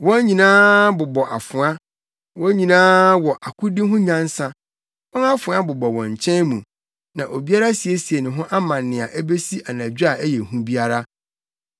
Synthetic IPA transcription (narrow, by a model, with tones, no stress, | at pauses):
wɔ̃˦ɲĩ˨nãː˦bʊ˨bɔ˨ʔa˨fʊ̃˨a˦ | wɔ̃˦ɲĩ˨nãː˦wɔ˨ʔa˨kʰʊ˦dɪ˦ɦʊ̃˦ɲã˦n̩˦sã˦ | wɔ̃˦na˦fʊ̃˨a˦bʊ˨bɔ˨wɔ̃˨ɲ̩˨t͡ɕʰɛ̃˦nmũ˨ | nã˨ʔo˨bi˦a˦ɾa˦si˨e˦si˨e˨nɪ̃˨ɦʊ̃˦ʔa˦mã˨nːɪ̃˨a˨ʔæ˦be˦si˦ʔa˨nã˨d͡ʑᶣa˨æ˦jɛ˨hũ˦bi˦a˦ɾa˦